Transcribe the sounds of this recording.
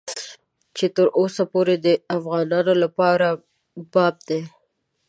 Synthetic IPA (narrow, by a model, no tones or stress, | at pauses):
t͡ʃet̪əɾʔosapoɾed̪əafɣɑnɑnolapɑɾa | bɑb̚d̪e